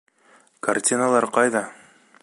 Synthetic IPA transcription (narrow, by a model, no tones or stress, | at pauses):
kartʲinalˠɑɾqɑjðɑ